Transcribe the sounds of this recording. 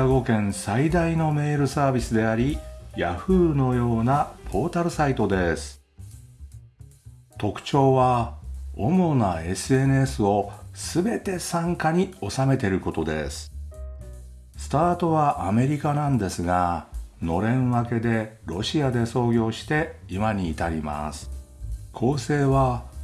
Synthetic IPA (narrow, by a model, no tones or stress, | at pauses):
aɡo̞kẽ̞ñsaid̪aino̞me̞ːɾɯ̟saːbʲisɨd̪e̞aɾʲijaɸɯ̟ːno̞jo̞ːnapʰo̞ːt̪aɾɯ̟sait̪o̞d̪e̞sɨ̥ | t̪o̞kɯ̟̥t͡ɕo̞ːβa | o̞mo̞nae̞sɨe̞nɯe̞sɨo̞sɨbe̞t̪e̞sãŋkaɲ̟io̞same̞t̪e̞ɾɯ̟ko̞t̪o̞d̪e̞̰sɨ̥ | sɨ̥t̪aːt̪o̞βaʔame̞ɾʲikanãnd̪e̞sɨɡano̞ɾẽ̞ɰ̃βake̞d̪e̞ɾo̞ɕiad̪e̞so̞ːɡʲo̞ːɕi̥t̪e̞imaɲ̟iːt̪aɾʲima̰sɨ̥ | kʰo̞ːse̞ːβa